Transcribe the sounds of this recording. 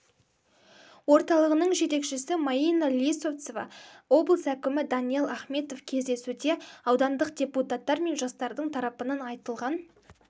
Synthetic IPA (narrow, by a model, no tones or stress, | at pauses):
wo̞ɾt̪ɑlˠəʁənəɴʒe̞t̪e̞kʃɪsɪmaijnalʲisot̪sovɑ̰o̞blˠsækʲɪmɪd̪ɑnije̞lˠɑχme̞t̪o̞fkʲʰe̞zd̪e̞sud̪e̞ɑwd̪ɑnd̪əqd̪ʲe̞put̪at̪ːɑɾme̞nʒɑst̪ɑɾd̪əɴt̪ʰɑɾɑpənɑnɑjt̪əlˠʁɑn